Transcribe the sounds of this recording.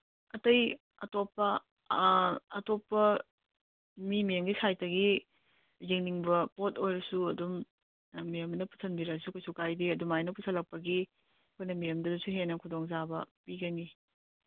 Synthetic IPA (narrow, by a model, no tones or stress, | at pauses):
ɐtɐj | ɐtopːɐ | ɐtopːɐ | mimijemɡisajtɐɡi | ziŋniŋbɐpotʰojɾɐsuɐdum | mijɐmnɐpu̥sʰɐnbiɾɐsukojsukajdiɐdumajnɐpusʰɐlɐk̚pɐɡi | kʰojnɐmijɐmdɐdusuɦenɐkʰudoŋzabɐ̰piɡɐni